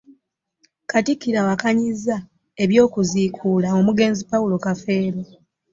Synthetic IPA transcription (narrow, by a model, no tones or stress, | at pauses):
katikːiɾawakaɲiza | e̞βjo̞ːkuziːkʰuːlaomuɡe̞ːnzipawulo̞kafe̞ːɾo